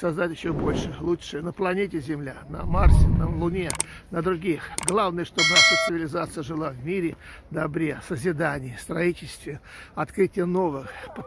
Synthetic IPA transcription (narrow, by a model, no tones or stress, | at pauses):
sɐzd̪atʲjɪɕːobo̞lʲʂɨlˠutʂɨjənəplˠɐnʲetʲɪzʲɪmlʲanə̰marsʲɪnəlˠʊnʲe | nəd̪ɾʊɡʲixɡlˠavnɨjəʂt̪obənaʂət̪sɨvʲɪlʲɪzat̪sɨjəʐɨlˠavmʲiɾʲɪ | d̪ɐbɾʲesəzʲɪd̪anʲɪjəfst̪ɾɐitʲɪlʲst̪vʲɪɐt̪kɾɨtʲɪjəno̞vɨxp